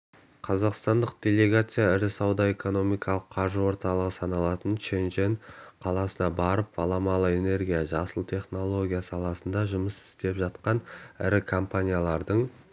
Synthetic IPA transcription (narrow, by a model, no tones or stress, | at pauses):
qʰɑzɑqst̪ɑnd̪əq̚d̪̥ʲe̞lʲe̞ɡat̪sɨjaɪɾɪsɑwd̪ɑe̞ko̞no̞mijkɑlˠəqʰːɑɾʒəwo̞ɾt̪ɑlˠəʁəsɑnɑlˠɑt̪ənʃenʒeŋqʰɑlˠɑsənɑbɑɾəp̚ɑ̰lˠɑmɑlˠəe̞ne̞ɾɡʲijaʒɑsəlˠt̪ʰe̞χno̞lˠo̞ɡʲijasɑlˠɑsənd̪ɑʒʊməsɪ̥st̪e̞pʒɑt̪qɑnɪ̰ɾɪkʰompanʲijalˠɑɾd̪əɴ